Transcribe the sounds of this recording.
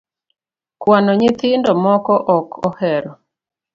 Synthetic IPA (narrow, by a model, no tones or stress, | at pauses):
kwanɔɲɪt̪ɪndɔmɔkɔʔɔkɔhɛɾɔ